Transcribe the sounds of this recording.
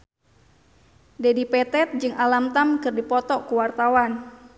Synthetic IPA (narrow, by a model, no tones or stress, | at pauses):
dedipɛt̪ɛt̪̚d͡ʒɨŋʔalamt̪amkɨrdipɔt̪ɔkuwart̪awan